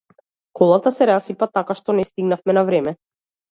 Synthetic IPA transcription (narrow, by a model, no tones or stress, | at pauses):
kʰɔlˠat̪asɛɾasipat̪akaʃt̪ɔnɛst̪iɡnafmɛnavɾɛmɛ